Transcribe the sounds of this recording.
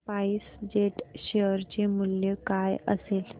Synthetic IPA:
paiːsd͡ʑeʈɕeəɾt͡ɕemuljekajə̰sel

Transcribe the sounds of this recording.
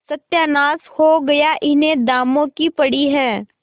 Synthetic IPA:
sɐt̪jaːnaːshoɡɐjaʔɪnẽd̪aːmõkipɐɽiɦɛː

